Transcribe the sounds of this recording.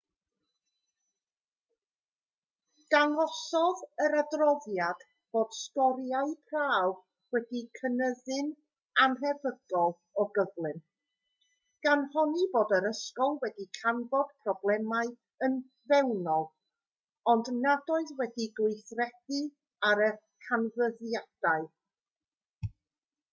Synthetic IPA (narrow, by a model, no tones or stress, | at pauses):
d̥anɔsɔðəɾadrɔðjad̥ | b̥oːd̥skɔɾjaɨpʰraːv | wɛdikʰənəðɨn | anɦɛvəɡ̥ɔlˠ | ɔɡəvlˠɨn | ɡ̥anhɔniboːdəɾəskɔlˠwɛdikʰanvɔd̥pʰrɔblˠɛmaɨ | ən | vɛwnɔlˠ | ɔndnadɔɨðwɛdiɡwɪjθrɛd̥ɨ | aɾə | kʰanvəðjad̥aɨ